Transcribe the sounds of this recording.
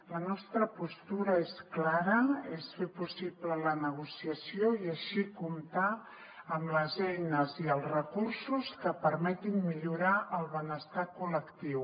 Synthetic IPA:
lənɔst̪ɾəpust̪uɾəesklaɾəesfepusiβlələnəɣ̞usiəsioiəʃikumt̪a | əmləzɛjnəziəlˠzrəkursuskəpəɾmɛt̪imːiʎuɾaʔəlˠβənəst̪akuləkt̪iw

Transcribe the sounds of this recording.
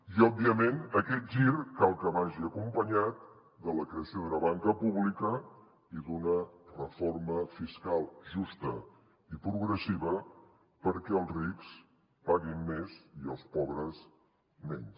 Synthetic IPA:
iɔbːiəmenəkɛt̪̚ʒiɾkalˠkəβaʒiəkumpəɲat̪̚ | d̪ələkɾeəsjoðunəβaŋkəpuβlikə | iðunərəforməfiskalˠʒust̪ə | ipɾuɣɾəsiβə | pəɾkɛəlˠzriks | paɣimːeziə̰lˠspɔβɾəs | mɛɲs

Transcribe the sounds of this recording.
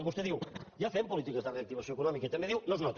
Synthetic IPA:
βost̪eðiwjafempulit̪ikɐzðɐreɐkt̪iβɐsõekunɔmikɐit̪ɐmẽd̪iwnõznɔt̪

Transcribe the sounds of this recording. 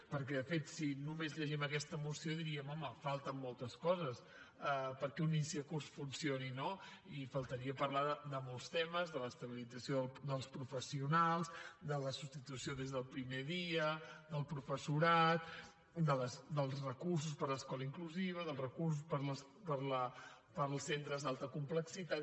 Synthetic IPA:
pəɾk̬ɛðəfet̪sinumezʎəʒɛməkɛst̪əmusioðiɾiəmɔməfalˠt̪əmːɔlˠt̪əskɔzəs | ɛpəɾkɛunisiəkursfunsioninoifəlˠt̪əɾiəpəɾlaðəd̪əmɔlˠst̪ɛməzðələst̪əβilid͡zəsioðəld̪əlˠspɾufəsiunalˠzd̪ələsust̪it̪usioðezðəlˠpɾimeðiəd̪əlˠpɾufəsuɾat̪̚ | d̪ələsd̪əlˠzrəkurs̬uspəɾləskɔləiŋkluziβ̞əðəlˠrəkurs̬uspəɾləs | pəɾlə | pəɾlˠsent̪ɾəzðalˠt̪əkumpləksit̪at̪

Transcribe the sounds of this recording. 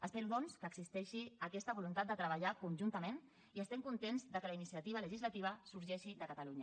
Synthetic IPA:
əspeɾuðɔnskəːɡzist̪ɛʃiəkɛst̪əβulunt̪at̪̚d̪ət̪ɾəβ̞əʎakunʲʒunt̪əmẽn | iəst̪ɛmkunt̪enzðəkələinisiət̪iβələʒizlət̪iβ̞əsuɾʒɛʃiðəkət̪əluɲə

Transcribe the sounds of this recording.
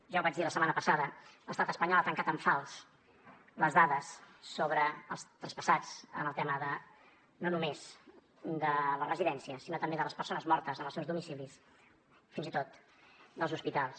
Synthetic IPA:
ʒawβad͡ʒðiləsəmanəpəsaðələst̪at̪əspəɲɔlat̪əŋkat̪əɱfalˠs | ləzðaðəsːoβɾəːlˠst̪ɾəspəsat͡sə̰nəlˠt̪ɛməðə | nonumez̥ | d̪ələrəziðɛnsiəsinot̪əmbeðələspəɾrsonəzmɔɾt̪əzənəlˠsɛwzðumisilis | finzit̪ot̪ | d̪əlˠzuspit̪alˠs

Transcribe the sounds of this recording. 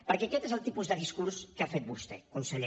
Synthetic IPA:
pəɾkɛəkɛt̪ezəlˠt̪ipuzðəð̞iskuɾskafet̪̚bust̪ɛ̰kunsəʎe

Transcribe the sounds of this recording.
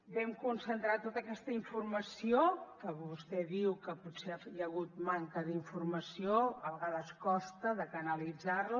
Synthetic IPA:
bɛmkunsənt̪ɾat̪ːot̪əkɛst̪əiɱfurməsiokəβust̪ɛðiwkəput̪sejəɣ̞ut̪̚maŋkəðiɱfurməsioəβəɣaðəskɔst̪əðəkənəlid͡zarlu

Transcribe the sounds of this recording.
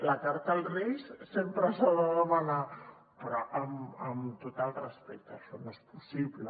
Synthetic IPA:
lakaɾt̪alˠressempɾəsaðəðəmana | pɾɔʔəməmt̪ot̪alˠrəspek̚t̪əʃɔnespusiβlə

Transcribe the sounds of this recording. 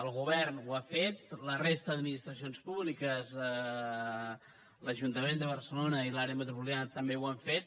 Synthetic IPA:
əlˠɣuβɛrnwafet̪lərest̪əəd̪minist̪ɾəs̬ionspuβlikəzə | ləʒunt̪əmend̪əβ̞əɾsəlonəilaɾeəmət̪ɾupuljanət̪əmbewaɱfet̪̚

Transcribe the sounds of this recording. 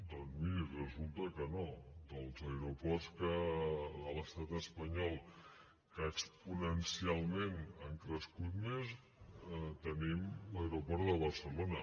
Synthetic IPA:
d̪ɔnzmiɾirəzulˠt̪əkənod̪əlˠzəɾupɔrskədələst̪at̪əspəɲɔlˠ | kaːkspunənsialˠmenəŋkɾəskut̪̚mez | t̪ənimləeɾupɔrt̪ðəβərsəlonə

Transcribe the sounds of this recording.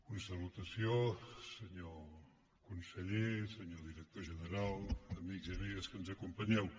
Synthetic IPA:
unsɐβut̪ɐsjosəɲo | kũnsəʎesɨɲoðiɾɛk̚t̪oɾʒənəɾalˠɐmiɣzɐmiɣɐskənuzɐkũmpɐɲɛw

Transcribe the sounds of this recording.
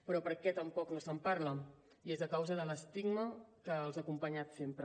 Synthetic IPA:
pɾɔpəɾkɛt̪əmpɔknosəmpaɾlə | iezəkawzəðələst̪iɡməkəːlˠzakumpəɲat̪sempɾə

